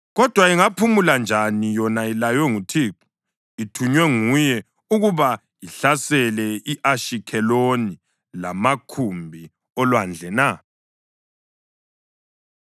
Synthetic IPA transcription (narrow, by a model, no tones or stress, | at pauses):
ɣɔd̥ʱwaiŋapʰumuland͡ʒʱanijɔnailajwɛŋutʰiǃu | itʰuɲwɛŋujɛ | uɣuβa | jiɬasɛlɛiʔaʃikʰɛloni | lamakʰumbʱi | ɔlwand͡ɮʱɛna